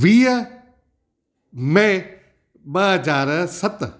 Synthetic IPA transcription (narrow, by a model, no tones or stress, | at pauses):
ʋiːə | me | ɓɐɦɐd͡ʑaːɾsɐt̪